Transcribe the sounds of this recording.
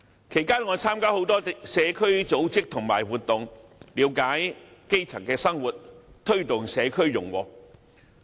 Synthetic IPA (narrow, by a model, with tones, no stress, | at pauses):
kʰe˨˩jkaː˥nŋɔː˨˧t͡sʰaː˥mkaː˥ho˨˥wt̪ɔː˥sɛː˨˧kʰɵ˥ɥt͡so˨˥wt͡sɪ˥k̚t̪ʰʊ˨˩ŋma̰ː˨˩jwuː˨t̪ːʊ˨ŋliː˨˧˥wkaː˨˥jke˥jt͡sʰɐ˨˩ŋkɛː˧sɐ˥ŋwuː˨t̚t̪ʰɵ˥ɥt̪ʊ˨ŋsɛː˨˧kʰɵ˥ɥjʊ˨˩ŋwɔː˨˩k̚